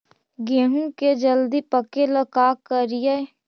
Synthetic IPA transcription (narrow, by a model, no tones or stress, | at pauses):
ɡeɦũked͡ʒəld̪ipəkeləkaːkəɾije